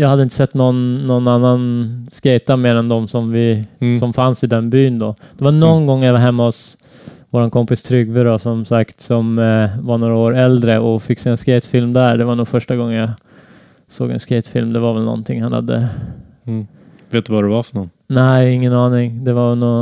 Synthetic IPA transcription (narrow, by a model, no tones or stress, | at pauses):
jɑːɡhad̪ːəɪnt̪ə̥sɛt̪ːnɔnːɔnːanːanskɛjt̪ameːɾɛnd̪ɔmsɔmvɪsɔmfansɪd̪ɛnbyːnd̪ɔd̪̥ɛvaɳɔnɡɔŋːjavaɾɦɛmːaɔs | voːɾankʰɔmpɪst̪ʰɾʏɡvəɖɔsɔmsakt̪sɔmvaɳoːɾaoːɾɛld̪ɾəɔfɪkːseːɛnskɛɪt̪fɪlmd̪æɖɛvaɳuːɡfœʂʈaɡɔŋːənjɑ | so̰ːɡɛ̰nskɛɪt̪fɪlmd̪ɛvaɾvɛlnɔ̰nt̪ʰɪŋhanha̰d̪ːə̰ | veːt̪̚d̪ɵvadɛvaɾfœɳɔn | næɪŋːənɑːnɪŋd̪ɛvavɛnɔ